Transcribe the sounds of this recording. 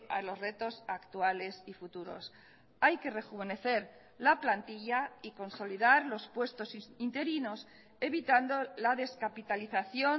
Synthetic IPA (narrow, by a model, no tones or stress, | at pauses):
a̰lo̞zre̞t̪o̞sakt̪uale̞sifut̪uɾo̞̰s | ajke̞re̞xuβ̞e̞ne̞θe̞ɾ | laplant̪iʎaiko̞nso̞liðaɾlo̞spwe̞st̪o̞sint̪e̞ɾino̞s | e̞βit̪and̪olaðe̞skapit̪aliθaθjo̞